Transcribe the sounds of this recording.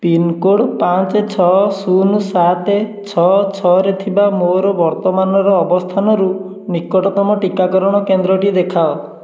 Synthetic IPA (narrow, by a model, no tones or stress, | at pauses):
pinkoɽpant͡ʃet͡ʃʰɔsunusat̪et͡ʃʰɔt͡ʃʰɔɾet̪ʰibamoɾɔbɔɾt̪ɔmanɔɾɔːbɔst̪ʰanɔɾu | nikɔʈɔt̪ɔmɔʈikakɔɾɔɽ̃ɔkend̪ɾɔʈid̪ekʰaɔ